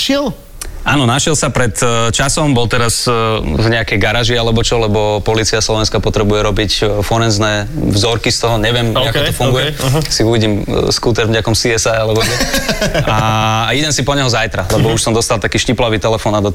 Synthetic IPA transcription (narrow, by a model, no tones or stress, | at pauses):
ʃɛl | ʔaːnɔnaʃɛlsapɾɛt̪t͡ʃasɔmbɔlt̪ɛɾazvɲɛakɛjɡaɾaʒialɛbɔt͡ʃɔlɛbɔpɔliːt͡siaslɔʋɛnskapɔt̪ɾɛbujɛɾɔbicfɔɾɛnznɛːvzɔɾkist̪ɔɦɔɲɛʋɪɛmakɔt̪ɔfuŋɡujɛsiuʋiɟimskuːt̪ɛɾvɲɛakɔmsiɛsaalɛbɔɡɛʔaid̪ɛnsipɔɲɛɦɔzajt̪ɾalɛbɔuʃsɔmd̪ɔst̪alˠt̪akiːʃciplaʋiːt̪ɛlɛfɔːnad̪ɔ